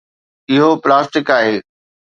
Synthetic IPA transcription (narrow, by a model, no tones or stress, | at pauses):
ɪɦoplaːsʈɪkaːɦeː